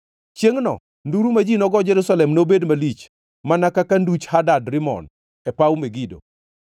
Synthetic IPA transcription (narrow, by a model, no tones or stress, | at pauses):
t͡ʃjeŋnɔ̰ | nduɾumad͡ʒinɔɡɔd͡ʒɛɾusalɛmnobedmalit͡ʃ | manakakandut͡ʃhadadɾɪmɔ̰n | ɛpaumeɡido̰